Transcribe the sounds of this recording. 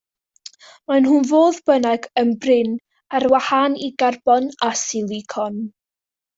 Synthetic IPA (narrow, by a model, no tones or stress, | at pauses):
manɦunvoːðbənɛɡənbrɪn | arwahaniɡarb̥ɔnasilˠikʰɔn